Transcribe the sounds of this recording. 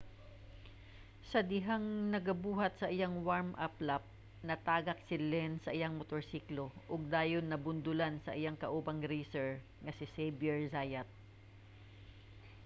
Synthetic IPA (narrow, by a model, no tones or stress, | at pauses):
sɐd̪ɪɦaŋnɐɡɐbuːɦɐt̪̚sɐʔɪjaŋwaɹmʔaplap̚ | nɐt̪aːɡɐk̚sɪlɛnsɐʔɪjaŋmot̪oɹsiːkloʔʊɡ̚d̪aːjonːɐbʊnd̪ʊlansɐʔɪjaŋkɐʔuːbɐŋɾiːsɛɹ | ŋɐsɪsɛjbjɛɹzaːjɐt̪̚